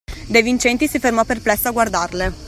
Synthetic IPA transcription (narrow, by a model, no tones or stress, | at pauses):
d̪ejvint͡ʃɛnt̪isifermɔpːerplɛsːoaɡward̪arle